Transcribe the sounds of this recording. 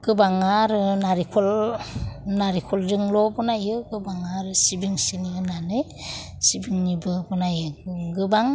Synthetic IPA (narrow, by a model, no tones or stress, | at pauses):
ɡ̥ɯbaŋaɾɯnaɾikʰɔl | naɾikʰɔlɾɯŋlɔbɔnajɯɡɯbaŋaɾɯsibiŋsiniɯnanɯj | sibiŋnibɯbɔnajɯɡɯbaŋ